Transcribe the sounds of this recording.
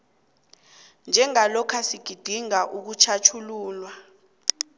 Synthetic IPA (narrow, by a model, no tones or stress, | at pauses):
nd͡ʒʱɛŋalɔkʰasiɡ̥ʱid̥ʱiŋaʔuk̬ut͡ʃʰat͡ʃʰuluːlwa